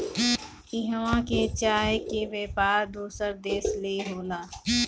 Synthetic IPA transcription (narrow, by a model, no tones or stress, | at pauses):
ɪɦəwãket͡ʃaːɦkeʋeːpaːɾd̪uːsəɾd̪eːsleɦoːlaː